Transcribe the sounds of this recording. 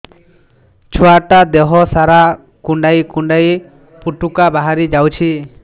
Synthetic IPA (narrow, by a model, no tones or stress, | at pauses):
t͡ʃʰɔaʈad̪ɛɦɔsaɾa | kuɳɖajkuɳɖaj | puʈukabaɦaɾid͡ʒawt͡ʃʰi